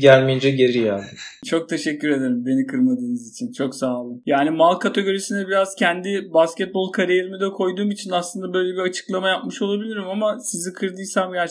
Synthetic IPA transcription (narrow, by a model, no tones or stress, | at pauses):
ɟælʲmejind͡ʒɛɟe̞ɾijaːd̪ɯmt͡ʃʰo̞k̚t̪ʰe̞ʃɛcʲːyɾe̞d̪e̞ɾimbe̞nikʰɯɾmad̪ɯːnɯzit͡ʃʰint͡ʃʰo̞ksaːlˠɯjaːnimalˠkʰat̪ʰo̞ɟøɾesinɛbiɾaz̥cʰænd̪ibascɛt̪̚bo̞lˠkʰaɾijeɾimid̪ɛkʰo̞jd̪uːmit͡ʃʰinaslˠɯnd̪abø̞jlʲebiat͡ʃʰɯ̥klˠamajap̚mɯʃo̞lˠabilʲiɾimamasizikʰɯɾd̪ɯjsamɟæɾt͡ʃ